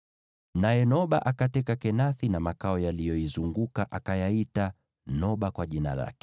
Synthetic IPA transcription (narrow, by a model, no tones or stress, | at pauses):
najɛnɔɓaʔakatɛkakɛnaθinamakaɔjalijɔizuŋɡukaʔakajaita | nɔɓakwaʄina̰la̰kɛ̥